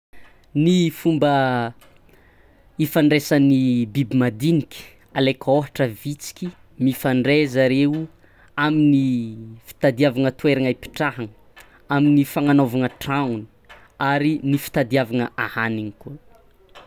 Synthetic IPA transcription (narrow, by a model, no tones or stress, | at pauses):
nifumbə | ifaɳɖ͡ʐesanibibimad̪inikʲə̥ | alekʰoɦaʈ͡ʂəvit͡si̥kʲi | mifaɳɖ͡ʐezaɾeu | aminifi̥t̪ad̪iavaŋət̪weɾaŋaipi̥ʈ͡ʂaɦaŋə | aminifaŋanovaŋəʈ͡ʂaŋuni̥ | aɾinifi̥t̪ad̪iavaŋəʔahaniŋikuə